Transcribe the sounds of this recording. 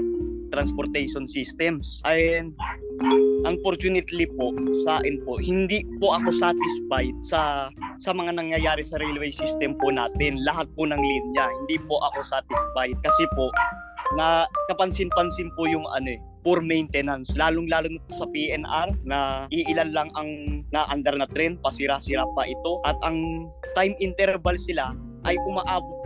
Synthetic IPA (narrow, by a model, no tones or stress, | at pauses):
t̪ɾɐnspoɾt̪ɛjʃonsist̪ɛmsʔɐn | ʔɐŋpoɾt͡ʃ̪unɪt̪lipo̞ʔsaːʔɪnpo̞ʔhɪnd̪ipoʔɐko̞sat̪ɪsfajt̪̚sɐsɐmɐŋanɐŋjɐjaːɾɛsɐɾɛlwɛjsist̪ɛmpʊnaːt̪ɪnlɐɦat̪̚pʊnɐŋlinjahɪnd̪ipoʔɐko̞sat̪ɪsfajd̪̚kɐsɛpo̞ | nɐkɐpɐnsɪnpɐnsɪnpʊjʊŋʔɐ̰no̞ɛ | poɾmɛjnt̪ɛnanslaːloŋlaːloŋnɪt̪osɐpiʔɛnʔaɾnɐʔiʔɪlanlaŋɐŋnaʔɐnd̪ɐɾnɐt̪ɾɛnd̪̚pɐsɪɾasɪɾap̚ɐʔɪt̪o̞ʔɐt̪ɐŋ | t̪ajmɪnt̪ɛɾbɐlsɪla | ʔɐjʔʊmaʔaːbot̪̚